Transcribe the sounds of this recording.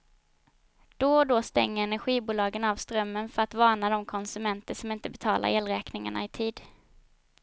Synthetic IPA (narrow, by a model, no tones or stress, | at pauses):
d̪̥ɔd̪ost̪ɛ̰ŋːəɾɛnæɧiːbuːlɑːɡənavst̪ɾœmːənfœɾat̪vɑːɳad̪ɔmkʰɔnsɵmɛnt̪əʂɔmɪnt̪əbɛt̪ʰɑːlʔa̰ɾeːlɾɛːknɪŋa̰ɳa̰ɪt̪ʰiːd̪